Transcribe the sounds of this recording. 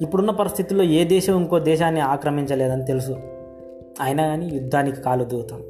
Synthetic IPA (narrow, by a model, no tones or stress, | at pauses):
ipːuɽunːɐpɐɾist̪ʰit̪ilo̞ːeːd̪ɛːʃɐmiŋko̞ːd̪ɛːʃaːnːiaːkɾɐmiɲt͡ʃɐlɛːd̪ɐnit̪e̞lus̬u | aːjinɐɡaːnijud̪ʱːaːnikikaːlud̪uːt̪aːm